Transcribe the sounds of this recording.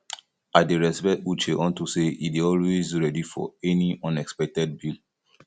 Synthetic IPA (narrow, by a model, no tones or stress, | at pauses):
adeɹɛsbɛtut͡ʃeʔɔ̃ntuseidiɔlwezɹɛdifɔ̰ɛniʔɔ̃nɛkspɛk̚tɛd̚bil